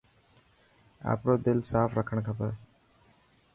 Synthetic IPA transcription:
a̰pɾod̪elsafɾakʰəɳkʰapa

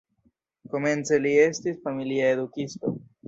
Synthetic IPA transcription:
komenseliest̪isfamiljaeðukist̪o̰

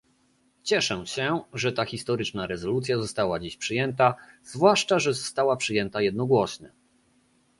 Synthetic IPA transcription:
t͡ɕɛʂɛɕɛʐɛt̪axʲist̪ɔɾɘt͡ʂnaɾɛzɔlut̪sʲjazɔst̪awad͡ʑiɕpʂɘjɛnt̪az̥vwaʂt͡ʂaʐɛzɔst̪awapʂɘjɛnt̪ajɛd̪̚nɔɡwɔɕɲɛ

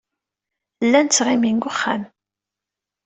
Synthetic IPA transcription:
lːænt͡sːʁiminɡʊχːan

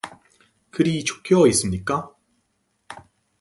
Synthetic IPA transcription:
kɯɾit͡ɕo̥k͈ʰjʌis͈ɯmɲik͈a

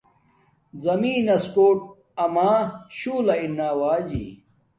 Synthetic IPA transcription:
zɐmiːnɐskoːʈ̚ | ɐmaːɕuːlɐinːaːwaːd͡ʑḭː

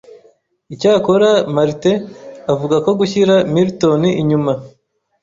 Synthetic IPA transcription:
icaːkoɾamaɾiteavuɡako̞ɡuçiɾamiɾito̞niʔiɲuma

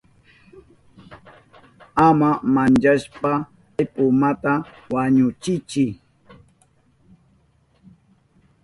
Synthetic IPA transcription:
amamant͡ʃaʃpa | jpʊmat̪a | waɲʊt͡ʃɪt͡ʃɪ

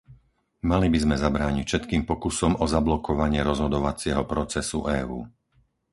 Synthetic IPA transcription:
malibizmɛzabɾaːɲicʃɛt̪kiːmpɔkusɔmɔzablɔkɔʋaɲɪɛɾɔzɦɔd̪ɔʋat͡sɪɛɦɔpɾɔt͡sɛsṵʔɛːṵː

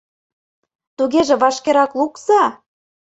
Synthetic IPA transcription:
t̪uɣeʒĕβɑʃkeɾɑkluksɑ

